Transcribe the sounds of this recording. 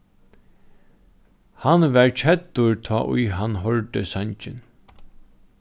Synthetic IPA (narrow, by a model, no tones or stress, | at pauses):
hanʋɛɹt͡ʃʰɛt̪ːʊɹt̪ʰɔ̰ːʔʊ̰jɦanːɦɔɹt̪əsaɲt͡ʃɪn